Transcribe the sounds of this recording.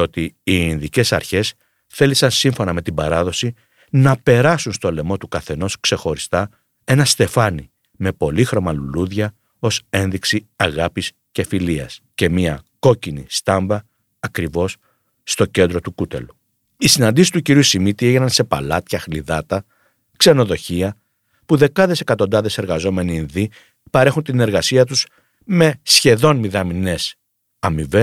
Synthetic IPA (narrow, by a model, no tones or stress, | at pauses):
o̞t̪iːinðice̞sɐ̰ɾçe̞s | θe̞lisɐnsiɱfo̞nɐme̞t̪ibɐɾɐðo̞si | nɐpe̞ɾɐsunst̪o̞le̞mo̞t̪ukɐθe̞no̞skse̞xo̞ɾist̪ɐ | e̞nɐst̪e̞fɐni | me̞po̞lixɾo̞mɐluluðʝɐ | o̞se̞nðiksiɐɣɐpis | ce̞filiɐ̰sce̞miɐko̞cinist̪ɐɱbɐː | kɾivo̞sː | t̪o̞ce̞nd̪ɾo̞t̪ukut̪e̞̰lu | isinɐnd̪isi̥st̪uciɾiusimit̪ieʝenɐnse̞pɐ̰lɐt̪çɐxliðɐt̪ɐ | kse̞no̞ðo̞çiɐ | puðe̞kɐðe̞se̞kɐt̪o̞nd̪ɐðe̞se̞ɾɣɐzo̞me̞niːnði | pɐɾe̞xunt̪ine̞ɾɣɐsiɐt̪us | me̞sçe̞ðo̞nmiðɐmine̞s | ɐmive